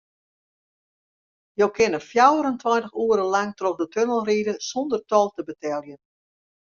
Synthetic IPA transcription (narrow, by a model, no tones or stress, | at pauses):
jowkʰɪnəfjawəɾəntʰwɔntəxuəɾəlaŋtroxdətʰønəlˠriːdəsondərtɔlˠtəbətʰɛlˠjən